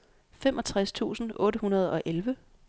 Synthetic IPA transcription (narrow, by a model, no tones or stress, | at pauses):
femʔɒ̽t͡sʰʁast͡sʰṵːsn̩ɔ̽ːɾəhunɐð̞̩ˠɒ̽ʔelʋə